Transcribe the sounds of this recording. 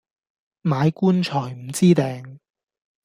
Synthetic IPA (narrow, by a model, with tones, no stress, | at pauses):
maː˨˧jkuː˥nt͡ʃʰɔː˨˩jm̩˨˩t͡siː˥t̪ɛː˨˧ŋ